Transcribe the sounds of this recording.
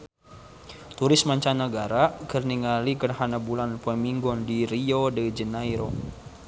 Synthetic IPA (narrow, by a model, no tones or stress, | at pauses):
t̪uɾɪsmaɲt͡ʃanaɡaɾakərniŋalikərhanabulanpəmiŋɡɔndiɾiodəd͡ʒənajɾo